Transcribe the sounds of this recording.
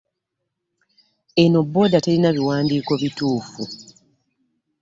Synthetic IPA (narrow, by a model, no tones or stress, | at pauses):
e̞no̞bːo̞ːdate̞linaβiwaːndiːko̞βituːfu